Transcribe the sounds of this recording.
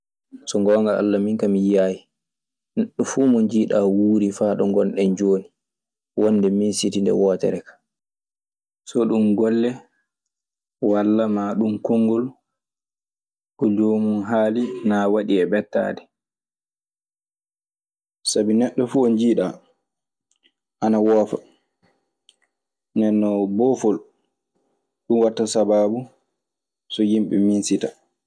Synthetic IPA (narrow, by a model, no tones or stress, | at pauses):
sɔŋɡɔːŋɡaa̰lːamiŋkamijaːji | nɛɗːɔfuːmɔɲd͡ʒiːɗawuːɾifaːɗɔŋɡɔlɗɛnd͡ʒoːni | wɔnːdɛminsitindɛ̰wɔːtɛ̰ɾɛkḁ | sɔɗumɡɔlːɛ | walːamaɗumkɔŋɡɔl | kɔd͡ʒoːmunɦaːlinawaɗiɛbɛtːa̰ːdɛ | sabinɛɗːɔfuɔnd͡ʒiːɗa | ʔanawɔːfa̰ | nɛnːɔbɔfɔl | ɗumwatːasabaːbu | sɔjimɓɛ̰minsita